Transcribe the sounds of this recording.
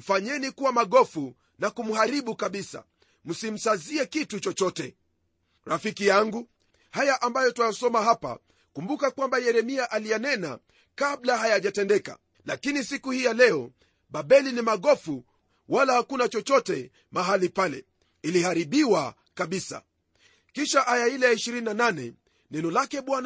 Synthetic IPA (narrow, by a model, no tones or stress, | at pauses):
m̩faɲɛnikuwamaɠɔfu | nakum̩haɾiɓukaɓisa̰ | m̩sim̩saziɛkitut͡ʃɔt͡ʃɔtɛ | ɾafikijaŋɡu | hajaʔambajɔtwajasɔmaɦapa̰ | kumbukakwambajɛɾɛmiaʔalijanɛna̰ | kablahajaʄatɛndɛka̰ | lakinisikuhijalɛɔ | ɓaɓɛlinimaɠɔfu | walahakunat͡ʃɔt͡ʃɔtɛ | maɦalipalɛ̰ | ilihaɾiɓiwa | kaɓisa̰ | kiʃaʔajailɛjaiʃiɾininananɛ̰ | nɛnɔlakɛɓwan